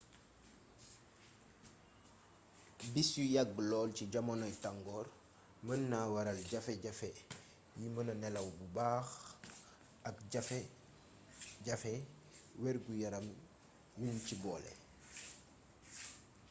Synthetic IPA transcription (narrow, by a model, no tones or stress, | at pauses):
bisjujaɡ̚ːlɔːlciɟamonɔjtaŋɡɔːɾ | mənːaːwaɾalɟafeɟafe | jimənɐnɛlɐwbubaːx | ɐkɟafe | ɟafɛ | wɛɾɡujaɾɐm | wuncibɔːlḛ